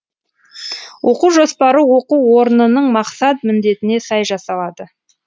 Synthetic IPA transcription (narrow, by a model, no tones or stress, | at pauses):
wʔo̞quwʒo̞spɑɾəwo̞quwwo̞ɾənənəɴmɑqsɑt̪̚mɪnd̪e̞t̪ɪne̞sɑjʒɑsɑlˠɑd̪ə